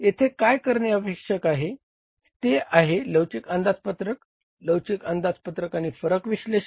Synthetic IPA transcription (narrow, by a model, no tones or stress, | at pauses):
jet̪ʰekajkəɾɳeəpekʂəkaɦe | t̪eʔaɦeləwt͡ɕikənd̪ad͡zpət̪ɾək | ləwt͡ɕikənd̪at͡spət̪ɾəkañiːfəɾəkʋiɕle